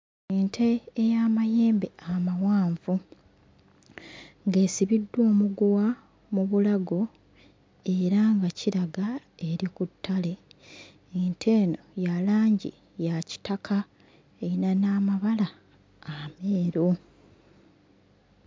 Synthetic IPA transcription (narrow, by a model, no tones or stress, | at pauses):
eːntʰe̞ːjamaje̞ːmbe̞amawaːɱvu | ŋɡe̞ːsiβidːo̞ːmuɡuwa | muβulaɡo̞ | e̞ɾaŋɡaciɾaɡa | e̞ɾikutʰːale̞ː | ntʰe̞ːno̞jalaːɲɟḭ | jaci̥takʰa | einanaːmaβalaː | meːɾo